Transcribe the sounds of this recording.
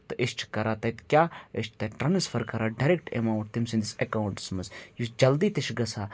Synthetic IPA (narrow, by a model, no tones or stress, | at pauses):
t̪ɨʔist͡ʃʰkɐɾaːt̪ɐt̪kʲjaːiʃt̪ɐʈɾɐnisfʰɐɾkɐɾaːɖɐɾekʈḛmaːʈt̪imsĩnd̪isekaːwuɳʈsmɐsjusd͡ʒɐld̪iːt̪iʃɡɐsʰaː